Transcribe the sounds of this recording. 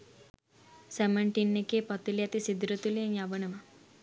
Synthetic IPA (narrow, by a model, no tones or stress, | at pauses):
semeɳʈinːekepɔt̪iljat̪isid̪ɾut̪ulieŋjabəɳema